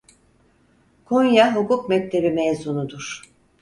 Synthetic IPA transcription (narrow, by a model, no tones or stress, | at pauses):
kʰonjaɦukukmɛc̚t̪ʰe̞bimɛjzunud̪uɾ̥